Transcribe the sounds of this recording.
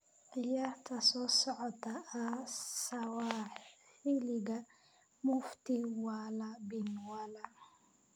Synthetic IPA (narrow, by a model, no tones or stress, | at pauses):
ʔijat̪ʰasɔsɔʕɔt̪ːaːsawaħ | iliɡa | muft̪iwalabinwala